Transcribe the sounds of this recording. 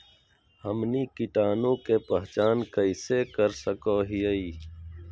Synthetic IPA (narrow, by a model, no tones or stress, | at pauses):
hɐmniːkiʈaːnõːkepɐɦt͡ʃaːnkɐɪsekɐɾsɐkoːɦijəiː